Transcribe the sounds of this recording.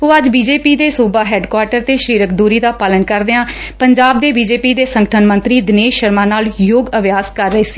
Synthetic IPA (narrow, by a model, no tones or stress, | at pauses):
ɦoːəd͡ʒbiːd͡ʒeːpiːd̪eːsuːbaːɦɛːɖkwaːʈəɾt̪eːʃɾiːɾək̚d̪uːɾiːd̪aːpaːlənkəɾd̪eãː | pəɲd͡ʒaːbd̪eːbiːd͡ʒeːpiːd̪eːsə̃ŋɡəʈʰənmə̃nt̪ɾiːd̪ɪneːʃəɾmaːnaːljoːɡəʋjaːskəɾːəeːsi̥ː